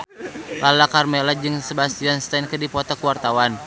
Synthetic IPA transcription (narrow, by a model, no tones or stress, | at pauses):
lʔalakarmelad͡ʒɨŋsəbast̪ianst̪ankədipɔt̪akuwart̪awan